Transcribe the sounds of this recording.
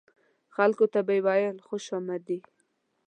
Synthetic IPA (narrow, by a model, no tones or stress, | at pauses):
xalkot̪abajwajəlxoʃɑmad̪i